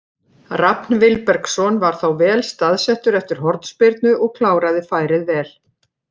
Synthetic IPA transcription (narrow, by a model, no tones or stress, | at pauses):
rapnvɪlpɛɾksɔnvaɾ̥θawvɛːlst̪aðsɛht̪ʏɾɛft̪ɪɾ̥ɦɔɾt̪n̥spɪɾt̪nʏʔɔɣkʰlaːwɾaðɪfaːjɾɪðvɛːl̥